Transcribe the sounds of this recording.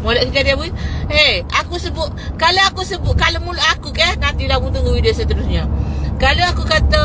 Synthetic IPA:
molaʔkəkadiawieakusəbʊʔ | kaləakusəbʊʔ̚kaləmuloʔakukɛhnat̪ilaɡut̪uŋəwideosət̪əɾusɲakaləakukat̪a

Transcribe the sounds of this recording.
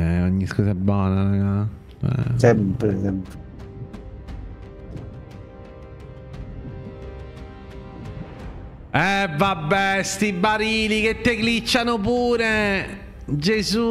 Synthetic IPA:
ɛoɲːiskɔːsaɛbːɔːnaɾaɡa | ɛ̰sɛmpɾesɛmpɾe | ɛvabːɛst̪ibːaɾiːlik̟et̪ːeklit͡ʃːanop̬uːɾe | d͡ʒezu

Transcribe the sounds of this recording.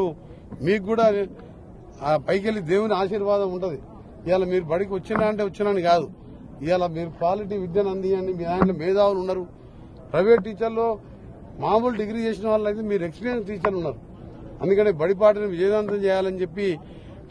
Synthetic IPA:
u | miːkːuːɽaː | pɐjkelid̪e̞ːwuniaːʃiːɾʋaːd̪ɐmuɳʈund̪i | iʋaːlɐmiːɾubɐɽik̬iʋɐt͡ʃːinaːɐɳʈeːʋɐt͡ʃːinɐːnikaːd̪u | iʋaːlɐmiːɾukʋaːliʈ̬iːʋid̪jɐːnɐnd̪ijaːnimːaːjloːmɛːd̪aːwulunːɐɾu | pɾɐjʋe̞ːʈ̚ʈiːt͡ʃɐɾlo̞ː | maːmulɖiɡɾiːt͡ʃe̞ːsinɐʋaːɭːɐjt̪eːmiːɾueksplijensʈiːt͡ʃɐɾlunːaɾu | ɐnd̪ukɐɳʈeːbɐɽip̬aːʈ̬ɐnɐʋid͡ʒɐːd̪aːnt̪̬ɐmt͡ʃɛːjaːlɐnit͡ʃepːi

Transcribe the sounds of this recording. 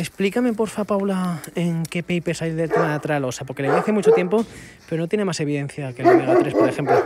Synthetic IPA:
esplikame̞po̞ɾfapawlaeŋke̞pejpesajðelt̪emaðat̪ɾalosapo̞ɾkeleeaθe̞mut͡ʃo̞t̪je̞mpo̞ | peɾonot̪je̞nemase̞β̞iðe̞n̟θjakeloðeɣat̪ɾe̞spoɾexe̞mplo

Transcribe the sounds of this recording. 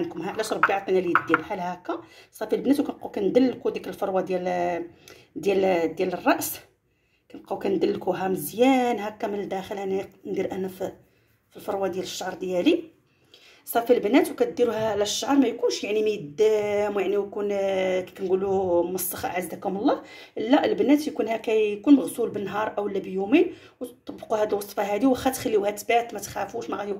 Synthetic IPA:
nkʊmɦæʕlæʃɾˤbjiʕɑt̪ːˤinælijd̪ːibħælhækːæsˤɑfilbnæt̪̬wkænquwkænd̪əlːkud̪ikəlfɑɾwɑd̪jæl | d̪jæld̪jælərˤːɑʔs | kænquwkænd̪əlːkuɦæməzjænɦækːæmənəld̪æxəlhænænd̪iɾʔænːæfi | filfɑɾwɑd̪jæləʃːɑʕɾˤd̪jæli | sˤɑfilbənæt̪wkæt̪̚d̪iɾuhæʕlæʃːɑʕɾˤmæjkunʃjaʕniməd̪ːæmwjaʕniwkunkæ̥kænɡuluməsˤːɑxɑ̰ʔʕazːækhʊməlˤːɑh | ʔəlːæʔəlbənæt̪jkunhækæjkunməɣsulbənːɦɑɾˤʔæwəlːæbəjumin | wt̪t̪ˤːɑbːəquhæd̪əlwɑsˤfɑɦæd̪iwxæt̪xælːiwhæt̪bat̪mæt̪xæfuʃmæɣæi

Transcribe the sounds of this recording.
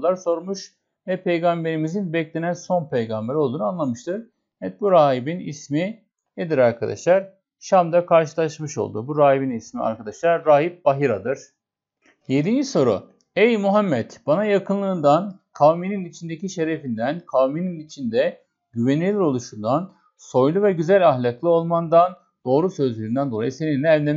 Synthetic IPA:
lˠaɾso̞ɾmuʃ | vɛpʰe̞jɡambe̞ɾimizinbɛclʲe̞nænso̞npʰejɡambeɾo̞lˠd̪uːnanlˠamɯʃt̪ʰɯɾ̥ | ɛt̪̚buɾaːɦibinḭsmi | ed̪iɾaɾkʰad̪a̰ʃlˠaɾ̥ | ʃamd̪akʰaɾʃ̬ɯlˠaʃmɯʃo̞̰lˠd̪ṵbuɾaːɦibinismia̰ɾkʰad̪aʃlˠaɾːaːɦip̚baɦiɾad̪ɯɾ̥ | je̞d̪ind͡ʒiso̞ɾṵ | ɛjmuɦamːɛt̪b̥anajakʰɯnlˠɯːnd̪an | kʰawmininit͡ʃʰind̪e̞ciʃe̞ɾe̞find̪ænkʰawmininit͡ʃʰind̪ɛ | ɟyvenilʲiɾo̞lˠuʃund̪an | so̞jlˠuvɛɟyzælʲaɦlʲaklˠɯo̞lˠmand̪an | d̪̥o̞ːɾusø̞zlʲyɾynd̪ænd̪o̞lˠa̰jɯse̞ninlʲɛːvlʲem

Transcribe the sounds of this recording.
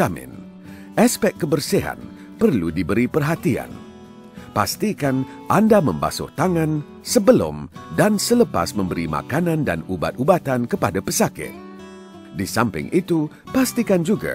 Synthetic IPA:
amɪ̰̃n | aspɛk̚kːəbərsiɦa̰n | pərludibəɾipərɦat̪ia̰n | past̪ikan | ʔandamə̃mba̰sʊ̰ht̪aŋãn | səbəlʊ̰mdansələpa̰smə̃mbəɾima̰kanãnda̰nuba̰t̪̚ubat̪ankəpadapəsakɪ̰t̪̚ | disampɪ̰ŋʔit̪u | past̪ikand͡ʒuɡa̰

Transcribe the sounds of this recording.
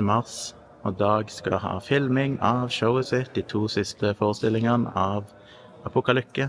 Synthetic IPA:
əmɑʁs | oːd̪ɑːɡskɑ̰hɑ̰ːfɪlmɪŋɑːʋʃəʊəsɛt̪̚d̪iːt̪ʰuːsɪst̪əfoːʁəst̪ɪlɪŋənə̰ɑːʋ | ɑpʊkɑlʏkːə

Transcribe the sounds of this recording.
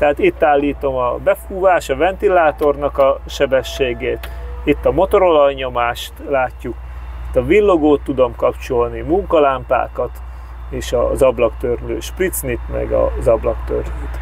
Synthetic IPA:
t̪ɛɦat̪it̪ːaːlːiːt̪o̞mɒbɛfuːvaːʃɒvɛnt̪ilaːt̪o̞rnɒkɒʃɛbɛʃːeːɡeːt̪it̪ːɒmo̞t̪o̞ɾo̞lɒjɲo̞maːʃt̪laːcːuk | it̪ːɒvilːo̞ɡoːt̪ːud̪o̞mkɒpt͡ʃo̞lnimuŋkɒlaːmpa̰ːkɒt̪ | eːʃɒ̰zɒblɒkt̪ørlø̰ːʃprit̪snit̪mɛ̰ɡɒ̰zɒblɒkt̪ø̰rløːt̪

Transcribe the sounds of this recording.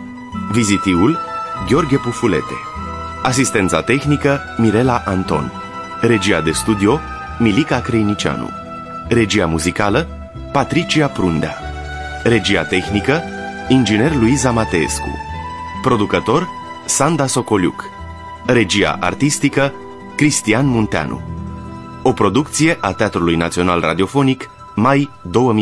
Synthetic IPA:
vizit̪ivulɡʲeo̞rɡʲepufule̞̰t̪e̞̥̰ | as̬ist̪e̞nt̪sa̰t̪e̞xnikə | miɾe̞laʔant̪o̞̰n | ɾe̞d͡ʒiad̪e̞st̪ud̪io̞ | milikakɾejnit͡ʃia̰nṵ | ɾe̞d͡ʒiamuzikalə | pat̪ɾit͡ʃiapɾund̪ea̰ | ɾe̞d͡ʒia̰t̪e̞xnikə | ind͡ʒine̞rluizamat̪eḛskṵpɾo̞d̪ukət̪o̞r | sand̪aso̞ko̞lʲṵk | re̞d͡ʒia̰ʔa̰rt̪ist̪ikə | kɾist̪ianmunt̪ea̰nṵ | o̞pɾo̞d̪uk̚t̪sije̞ʔat̪eat̪ɾulujnat̪sio̞nalra̰d̪io̞fo̞nik | majd̪o̞wəmi

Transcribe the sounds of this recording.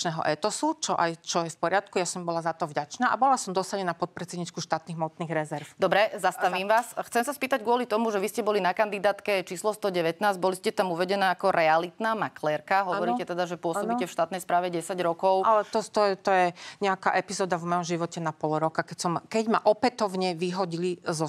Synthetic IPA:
nɛːɦɔ̰ʔɛt̪ɔsut͡ʃɔʔajt͡ʃɔjɛfpɔɾɪat̪kujasɔmbɔlazat̪ɔvɟat͡ʃnaːʔa̰bɔlasɔmd̪ɔsaɲɛnapɔt̪̚pɾɛt͡sɛd̪ɲiːt͡ʃkuʃt̪aːt̪niːɣmɔt̪niːɣɾɛzɛɾfd̪ɔbɾɛzasaʋiːmʋaːsxt͡sɛmsaspiːt̪aɟɡʊɔlit̪ɔmuʒɛʋiscɛbɔlinakand̪id̪aːt̪kɛt͡ʃiːslɔst̪ɔɟɛʋɛt̪naːzɟbɔliscɛt̪amuʋɛɟɛnaːakɔɾɛalit̪naːmaklɛːɾkaɦɔʋɔɾiːcɛt̪ɛd̪aʒɛpʊɔssɔbicɛfʃt̪aːt̪nɛjspɾaːʋɛɟɛsaɟɾɔkɔʊʔalɛt̪ɔt̪ɔɛt̪ɔjɛɲɛakaːʔɛpizɔːd̪avmɔjɔmʒiʋɔcɛnapɔlɾɔkakɛcsɔmkɛɟma̰ʔɔpɛt̪ɔʊɲɛʋiɦɔɟilizɔ

